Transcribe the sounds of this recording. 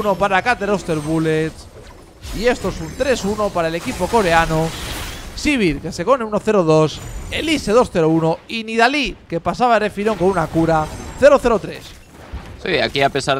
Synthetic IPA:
no̞paɾakat̪e̞ɾo̞st̪e̞ɾβulet̪s | ie̞st̪oesunt̪ɾe̞suno̞paɾae̞le̞kipo̞ko̞ɾe̞ano | siβ̞iɾke̞se̞ko̞neuno̞θe̞ɾoð̞o̞se̞lise̞ð̞o̞sθe̞ɾouno̞iniðalike̞pasaβ̞aere̞fiɾo̞ŋkonunakuɾaθe̞ɾo̞θe̞ɾo̞t̪ɾe̞s | sia̰kiape̞saɾ

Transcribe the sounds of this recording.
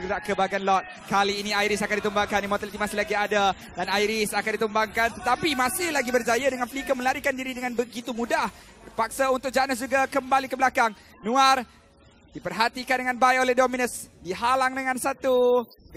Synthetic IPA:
ɡɾaʔkəbaɡanlɔt̪̚ | kaliːniajɾisakandit̪əmbaŋkanimoɔt̪alit̪imasɪhlaɡiada | danajɾɪsakandit̪əmbaŋkant̪ət̪apimãsɪhlaɡibərd͡ʒajadəŋanflikəmə̃laɾikandiɾidəŋanbəɡit̪umudah | bərpak̚saunt̪ʊk̚d͡ʒanəsd͡ʒuɡakəmbalikəbəlakaŋ | nũar | d̥ipərɦat̪ikandəŋanbaiolɛhdominəsdiɦalaŋdəŋãnsat̪u

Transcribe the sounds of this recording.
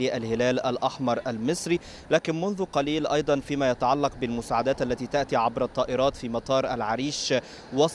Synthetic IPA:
iʔælhɪlæːlʔalʔaħmɑɾˤʔalmɪsɾi | læːkɪnmʊnðʊqɑliːlʔɑjd̪ˤɑnfiːmaːjat̪aʕalːɑq̚bɪlmʊsaːʕad̪æːt̪ʔalːæt̪iːt̪aʔt̪iːʕabɾɑt̪ˤːɑːʔɪɾˤɑːt̪fiːmɑt̪ˤɑːɾˤʔalʕaɾiːʃ | wɑs

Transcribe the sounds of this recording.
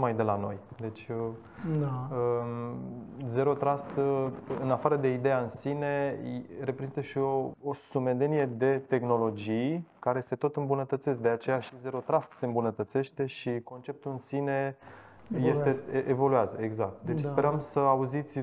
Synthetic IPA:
majd̪e̞lano̞̰jd̪e̞t͡ʃʲə | ə | ze̞ɾo̞t̪ɾast̪ɨnafaɾəd̪e̞id̪e̞jaɨnsine̞ɾepɾe̞zint̪əʃio̞ːsume̞d̪e̞nije̞d̪e̞t̪e̞xno̞lo̞d͡ʒijkaɾe̞se̞t̪o̞t̪ɨmbunət̪ət̪ses̬̚d̪e̞at͡ʃe̞jaʃize̞ɾo̞t̪ɾast̪se̞ɨmbunət̪ət̪se̞ʃt̪e̞ʃiko̞nt͡ʃe̞p̚t̪uɨnsine̞ | je̞st̪eʔevo̞lujazəeɡzak̚t̪̚d̪e̞t͡ʃʲspe̞ɾəmsəauzit̪sʲ

